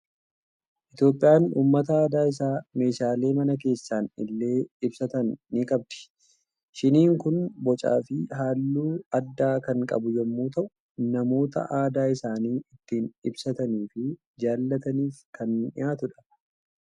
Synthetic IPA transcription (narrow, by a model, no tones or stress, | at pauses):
ʔɪt̪jo̞ːpʼːɪjaːnuːmːɐt̪ɐaːd̪aːɪs̬aːme̞ːʃaːle̞ːmɐnɐk̬e̞ːsːaːnɪlːe̞ːɪbsɐt̪ɐnːiːkʼɐb̚d̪ɪ̥ | ʃɪniːŋkʊnbɔt͡ʃʼa̰ːfɪɦaːlːuːɐd̪ːaːkɐŋkʼɐ̰bʊjɛmːuːt̪ɐʔʊ | nɐmo̞ːt̪ɐ̰ʔaːd̪aːɪsaːniːɪt̪ːiːnɪbsɐt̪ɐniːfɪ | d͡ʒaːlːɐt̪ɐniːfkʰɐnɪjaːt̪ʊᶑɐ̥